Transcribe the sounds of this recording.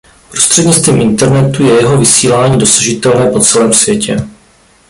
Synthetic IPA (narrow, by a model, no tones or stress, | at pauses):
pɾo̞st̪r̝̥ɛdɲɪt͡st̪viːmʔɪnt̪ɛɾnɛt̪ujɛjɛɦo̞vɪsiːlaːɲiːdo̞sḁʒɪt̪ɛlnɛːpo̞t͡sɛlɛːmsvjɛcʰɛ